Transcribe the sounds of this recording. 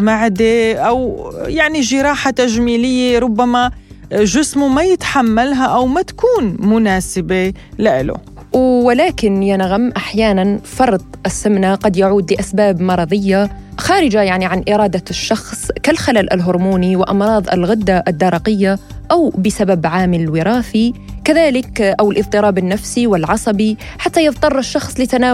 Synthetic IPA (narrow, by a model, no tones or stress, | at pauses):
maʕd̪eʔawjaʕniʒɪɾˤɑːħat̪aʒmiːlɪjːeɾˤʊbːama | ʒɪsmumajɪt̪ħamːalɦaʔawmat̪ḁkuːnmʊnaːsɪbe | lɪʔɪ̰lʊ̰ | wːɪlaːkɪnjanɣamʔaħjaːnanfɑɾˤd̪ˤʔɪsːamnaqɑd̪jaʕuːd̪lɪʔasbaːbmɑɾˤɑðˤɪjːaxaːɾɪd͡ʒajaʕniʕanʔɪɾˤɑːd̪aʃːɑxsˤkalxalaːlʔa̰lɦʊɾmuːniwɪʔɑmɾˤɑːðˤʔɪ̰lɣɪd̪ːaʔad̪ːɑɾˤɑqɪjːaʔawbɪsababʕaːmɪllwɪɾˤaːfikaðaːlɪkʔawɪlʔɨðˤt̪ˤɨɾˤɑːbɪnːafsiwɪlʕɑsˤɑbiħat̪ːajɨðt̪ˤɑrˤːʃːɑxsˤlɪt̪anaː